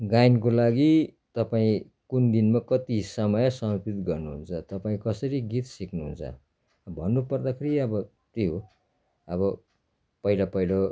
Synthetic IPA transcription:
ɡajnk̬olaɡi | t̪ʌpaĩ | kund̪inmakʌt̪isʌmʌjʌsʌmʌpit̪ɡʌrnuɦunt͡sʰʌt̪ʌpaĩkʌsʌɾiɡit̪siknuɦṵnt͡sʰʌ̰ | bʱʌnːupʌrd̪akʰeɾiʌbʌ | t̪eɦo | ʌβʌ | pʌɦilapʌjlo

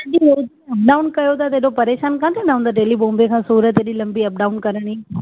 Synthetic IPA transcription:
ɐɗieiɐp̚ɖaːʊnkɐjot̪at̪̬eːɗopɐɾeːʃaːnkãːt̪ʰenaõnd̪aɖeːlibõːmbekʰãːsuːɾət̪eːɗiːlɐ̃mbiɐp̚ɖaːʊnkɐɾəɽ̃iː

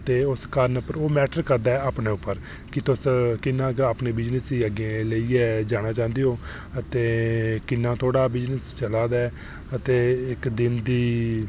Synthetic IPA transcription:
ət̪eːʊskəɾnʊpːəɾoːmɛːʈəɾkəɾd̪aːɛːaːpneːʊpːəɾ | kɪt̪ʊskɪnːãːkaːpɳeːbɪd͡ʒnəsiːəɡẽləiːɛːd͡ʒaːɽ̃aːt͡ʃãːnd̪eːɦoː | ət̪eːkɪnːãːt̪ʰoːɽaːbɪd͡ʒnəst͡ʃəlaːd̪aː | ət̪eːɪkd̪ɪnd̪iː

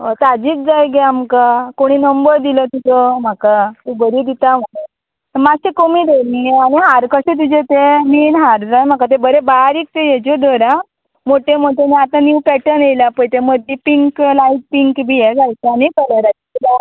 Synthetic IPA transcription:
ət̪ad͡ʑiːt͡sd͡zajɡeamkakoɽ̃iːnəmbəɾd̪ilət̪it̪ɔm̤akat̪ibəɾiːd̪it̪am̤əɽe | t̪əmaɡsekomiːd̪elieañiɦaɾkəɕet̪̬ud͡ʑet̪emiːnɦaɾd͡zajm̤akat̪̬ebəɾebaɾiːk̚t̪ejed͡ʑed̪ʱoɾã | moʈemoʈʰeneat̪ãnjuʋpɛʈənejlapəjt̪eməd̪ʱːipiŋklaiʈ̚piŋkbʱijed͡zajt̪añikələɾat̪it̪ila

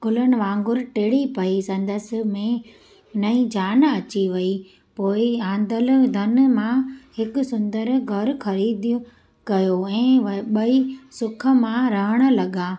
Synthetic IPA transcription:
kʊlənɪ̆ʋãːŋɡʊɾʈeːɽipɐisɐ̃nd̪əsɪ̆mẽ | nɐĩd͡ʑaːnɐt͡ɕiʋɐi | poːɪãːnd̪əl̆d̪ʱɐnmãhɪkʊ̆sʊ̃nd̪əɾɡʱɐɾxɐɾiːd̪ | kɐjoɛ̃ːʋɓɐisʊkʰə̆mãɾɐɦəɽ̃ʊ̆lɐɠaː

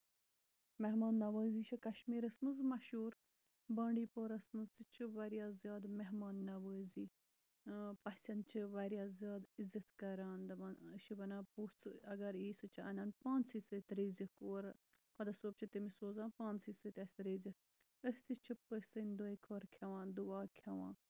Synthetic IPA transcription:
meɦmaːnːɐʋəːziːt͡ʃʰikɐʃmiːɾɐsmɨzmɐʃuːɾ | bɐ̃ːɳɖiːpoɾɐsmɨzt͡sit͡ʃʰiʋɐɾjaːzjaːd̪meɦmaːnːɐʋəːziː | pɐsʲɐnt͡ʃʰiʋɐɾijaːzʲjaːd̪izɐt̪kɐɾaːnd̪ɐmɐnʃibɐnãːpuːt͡sʰɨɐɡɐɾiːsɨt͡ʃʰiɐ̰naːnpãːnt͡siːsɨt̪ɾeːzikoːɾ | kʰɐd̪ɐsoːb̚t͡ʃʰit̪imisoːzãːnpãːnt͡sisɨt̪ʲɐsʲɾeːzik | əst͡sit͡ʃʰipəsɨnʲd̪oekʰoɾkʰʲɐʋãːnd̪uaːkʰʲɐʋã̰ː

